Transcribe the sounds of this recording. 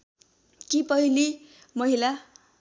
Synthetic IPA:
kipʌɦili | mʌɦila

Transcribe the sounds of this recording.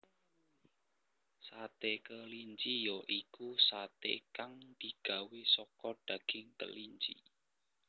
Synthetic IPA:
sat̪ekəliɲt͡ʃijɔʔikusat̪ḛkaŋd̪̥i̤ɡ̥a̤wesɔkɔɖ̥ä̤ɡ̥ɪ̤ŋkə̰liɲt͡ʃḭ

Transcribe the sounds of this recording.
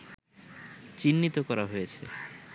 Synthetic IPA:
t͡ɕinːit̪okɔɾaɦojet͡ɕʰe

